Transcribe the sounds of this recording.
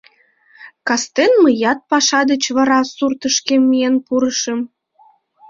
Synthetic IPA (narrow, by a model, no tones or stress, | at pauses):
kɑst̪enməjɑt̪̚pɑʃɑd̪ət͡ɕβɑɾɑsurt̪əʃkemijenpuɾəʃəm